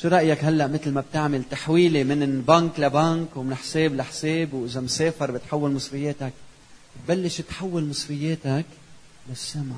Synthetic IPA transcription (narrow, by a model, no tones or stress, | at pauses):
ʃuɾˤɑʔjakɦalːaʔmɪt̪lmab̚t̪ɪʕmalt̪aħwiːlemɪnbaːnklabaːnkwmɪnħseːblaħseːbwʔɪzamseːfɑɾˤbɪt̪ħawːalmɨsˤfɪjːeːt̪ak̚ | t̪̚balːɪʃɪt̪ħawːalmɨsˤfɪjːeːt̪ak | lasːamʕa